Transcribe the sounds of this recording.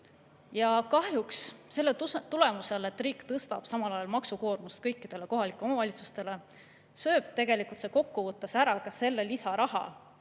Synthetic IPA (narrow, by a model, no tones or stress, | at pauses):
jɑkɑhjuksse̞lːe̞t̪ule̞muse̞le̞t̪ːˑriːkːt̪ɤst̪ɑ̰b̥sɑmɑlɑjɑlmɑksuko̞ːrmust̪̚kɤ̞jkːˑid̪̥e̞le̞koɦɑlikːˑeomɑvɑlʲit̪su̥st̪e̞le̞ | sø̞ːb̥̚t̪e̞ɡ̥e̞likult̪seko̞kːuvɤt̪ˑːɑsæɾɑkɑse̞lːe̞lisɑɾɑɦɑ̰